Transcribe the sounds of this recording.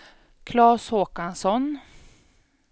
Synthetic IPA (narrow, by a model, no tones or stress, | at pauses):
kʰlɑːshoːkansɔn